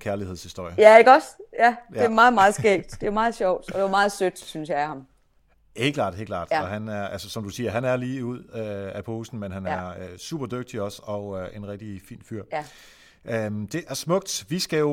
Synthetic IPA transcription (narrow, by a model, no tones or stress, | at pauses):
kʰæɐliheð̰ˠshisd̥o̝ɐ̰jəjæeɡ̥ɒd̥jæe̝æmɑ̈ːð̩ˠmɑ̈ːð̩ˠsɡ̥ḛ̥ːd̥d̥e̝æmɑ̈ːð̩ˠɕɒʊ̰d̥ɒd̥e̝ʋɑmɑ̈ːð̞̩ˠsød̥synsjɑ̈ɪæhɑ̈m | he̝ɡ̥lɑ̰̈ːd̥he̝̰ɡ̥lɑ̰̈ːd̥ɒɦænæɐʔælsəsɒ̽md̥usiːɐɦænæɐliːuð̞̰ˠøæpʰɔhusn̩menɦænæɐɐøsṵb̥ɐd̥øɡ̥̚d̥iɒ̽sɒ̽øe̝nʁɛɡ̥̚d̥ifḭːnfyɐ̰ | ʔømd̥e̝ʔæɐsmɔ̽ɡ̥̚d̥ʋisɡ̥æjo̝